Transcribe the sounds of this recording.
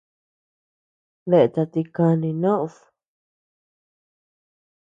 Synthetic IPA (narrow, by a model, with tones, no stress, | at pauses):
βe˧ʔe˧t̪a˧t̪i˧kã˧nĩ˧nõ˦ʔs